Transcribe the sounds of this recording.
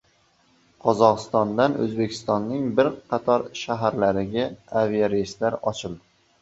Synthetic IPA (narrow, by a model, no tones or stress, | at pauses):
qʰɒzɒqɨst̪ɒnd̪anɵ̰zbe̞kʲʰɪ̥st̪ɒnːɪŋbɪɾqʰɑt̪ʰɒɾʃaɦaɾlaɾɪɡʲaavijaɾejst̪laɾɒt͡ʃʰɪlˠd̪ɪ